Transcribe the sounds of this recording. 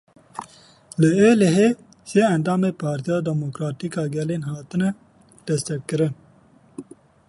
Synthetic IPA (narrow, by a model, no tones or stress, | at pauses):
ləeːleɦeː | seːɐnd̪ɑːmeːpʰaːɾt̪ijaːd̪ɛmokɾaːt̪ikɑːɡɛleːnɦɑːt̪ɨnɛ | d̪̥ɛst̪ɛkkɨɾɨn